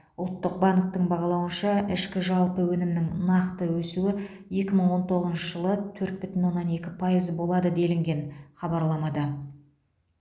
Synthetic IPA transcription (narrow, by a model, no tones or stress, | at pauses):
ʊlˠt̪ːəq̚bɑŋk̚t̪əɴbɑʁɑlˠɑwənʃɑʔɪʃkʲɪʒɑlˠpəwɵnɪmnɪŋnɑqt̪əwɵsuɪ | je̞kʲɪməɴwo̞nt̪ʰo̞ʁəznʃəʒəlˠət̪ʰɵɾt̪̚bʏt̪ɪnwo̞nːɑne̞kʲɪpʰɑjəzbo̞lˠɑd̪əd̪e̞lɪŋɡʲe̞nχɑbɑɾlˠɑmɑd̪ə